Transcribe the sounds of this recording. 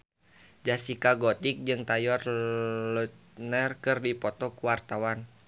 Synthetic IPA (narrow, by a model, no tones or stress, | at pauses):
d͡ʒasikaɡɔt̪ik̚d͡ʒɨŋt̪ajɔrlut̪nərkɨrdipɔt̪ɔkuwart̪awan